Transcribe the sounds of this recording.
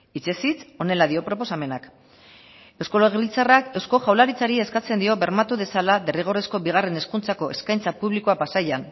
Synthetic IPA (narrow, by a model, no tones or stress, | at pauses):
it͡ʃe̞sit͡so̞ne̞lað̞io̞pɾo̞po̞same̞nak | e̞wsko̞leɣβilt͡sarake̞wsko̞ʝawlaɾit͡saɾie̞skat͡se̞nd̪io̞βe̞ɾmat̪uðe̞salade̞riɣ̞o̞resko̞βiɣ̞are̞ne̞skunt͡sako̞ʔe̞skajnt͡sapuβlikoapasajan